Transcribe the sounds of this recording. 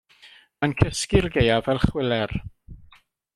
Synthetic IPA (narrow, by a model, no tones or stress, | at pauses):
mənkʰəskɪrɡejavɛlˠχwɪlɛr